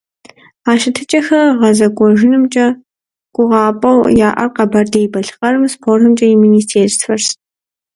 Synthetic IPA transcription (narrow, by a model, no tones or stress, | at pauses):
aːʃɪtʰɨt͡ʃʼɐxɐʁɐzɐɡʷʼɔʒɪnɨmt͡ʃʼɐ | ɡ̥ʷʊʁɑːpʼɐwjaːʔɐ̰rqɐbɐrdɐjibɐɬqɐrɨmspʰoːrɨmt͡ʃʼɐiminiːstʰeːrsfɐrs